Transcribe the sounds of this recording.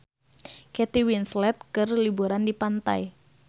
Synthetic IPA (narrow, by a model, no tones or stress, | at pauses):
kɛt̪iwinslɛt̪̚kɨrlibuɾandipant̪a̰j